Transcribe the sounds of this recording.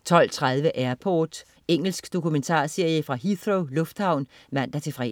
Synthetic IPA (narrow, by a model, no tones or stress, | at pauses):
t͡sʰɒ̽l̰t͡sʰʁað̞ˠʋəʔæɐpʰɒːd̥ | eŋ̰l̩sɡ̥d̥o̝kument͡sʰɑ̰̈ːse̝ɐjəfʁɑ̈ɦið̥ʁoʊlɔ̽fd̥hɑ̈ʊ̰nmæn̰d̥æt͡sʰe̝fʁɛ̰